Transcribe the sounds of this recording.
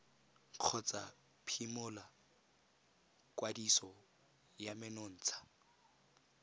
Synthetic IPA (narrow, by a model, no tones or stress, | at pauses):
q͡χʰɔt͡sa | pʰimʊla | kwadisɔ | jamɪnʊn̩ːt͡sʰḁ